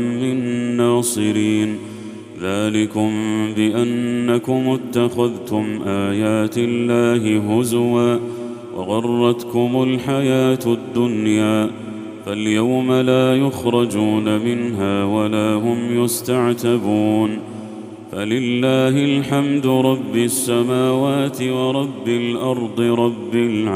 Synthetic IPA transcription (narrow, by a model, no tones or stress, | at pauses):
mɪnnːaːsˤɨɾiːn | ðaːlɪkʊmbɪʔanːakʊmʊt̪ːaxaðt̪ʊmʔaːjaːt̪ɪlːaːɦɪɦʊzwaː | wʔɑ̰ɣɑrˤːɑt̪kʊmʊlħajaːt̪ad̪ːʊnjaː | faljawmalaːjʊxɾˤɑd͡ʒuːnamɪnɦaːwalaːɦʊmjʊst̪aʕt̪abuːn | falɪlːaːɦɪlħamd̪ʊɾˤɑbːɪsːamaːwaːt̪ɪwɑɾˤɑbːɪlʔɑɾˤd̪ˤɨɾˤɑbːɪlʕ